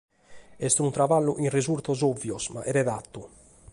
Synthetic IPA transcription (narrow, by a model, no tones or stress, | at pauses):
ɛst̪unt̪ɾavalːuʔinrizuɾt̪ɔzovːjɔsma̰ʔɛɾɛðat̪ːu